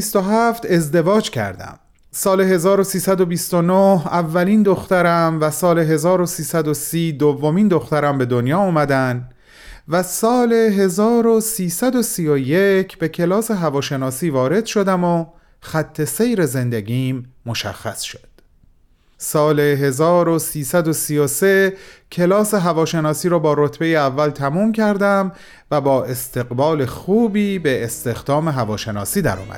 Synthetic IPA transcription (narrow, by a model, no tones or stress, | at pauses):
ist̪oɦæft̪e̞zd̪e̞vɒːd͡ʒcʰæ̰ɾd̪æ̰m | sɒːle̞ɦe̞zɒːɾosiːsæd̪o̞bist̪onohævːæliːnd̪oxt̪æɾæmvæsɒːle̞ɦe̞zɒːɾosiːsæd̪o̞siːd̪ovːo̞miːnd̪o̞xt̪æɾæmbe̞d̪o̞njɒːɒːmæd̪æn | væsɒːleɦe̞zɒːɾosiːsæd̪o̞sijo̞je̞cʰb̥e̞cʰe̞lɒːse̞ɦævɒːʃe̞nɒːsiːvɒːɾe̞d̪̥ʃo̞d̪æmo | xæt̪ʰːe̞se̞jɾe̞ze̞nd̪eɡʲiːmːoʃæ̰xːæsʃo̥d̪̥ | sɒːle̞ɦe̞zɒːɾosiːsæd̪o̞sijosecʰe̞lɒːse̞ɦævɒːʃe̞nɒːsiːɾɒːbɒːɾot̪ʰbe̞jeævːælt̪ʰæmuːmcʰæɾd̪æm | væbɒːʔe̞st̪ʰe̞ɣbɒːle̞xuːbiːbe̞ːst̪e̞xd̪ɒːme̞ɦævɒːʃe̞nɒ̰ːsiːd̪æ̰ɾɒ̰ːmæ̰d̪